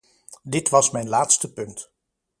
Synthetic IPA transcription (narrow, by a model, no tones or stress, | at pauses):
dɪtʋɑsmɛjnlaːtstəpɵnt